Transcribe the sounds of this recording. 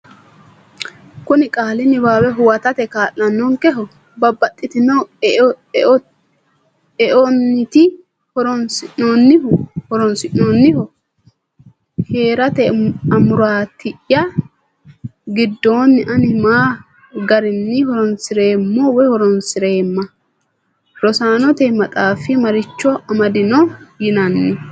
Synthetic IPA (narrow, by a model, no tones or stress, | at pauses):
kʊnɪkʼaːlɪnɪbaːwɛɦʊwɐt̪ɐt̪ɛkaːʔːɐnːɔŋkɛɦɔ | bɐbːɐt̪ʼːɪt̪ɪnɐw | ɛʔonːɪt̪ɪ | hɔɾɔnsɪʔoːnːɪhɔɾɔnsɪʔoːnːɪhɔ | heːɾɐt̪ɛɐmʊɾaːt̪ʰɪʔjɐ | ɡɪd̪ːoːnːɪʔɐnɪmaː | ɡɐɾɪnːɪhɔɾɔnsɪɾe̞ːmːɔwɛhɔɾɔnsɪɾe̞ːmːɐ | ɾɔsaːnɔt̪ɛmɐt̪ʼaːfɪmɐɾɪt͡ʃːɔɐmɐd̪ɪnɔjɪnɐnːɪ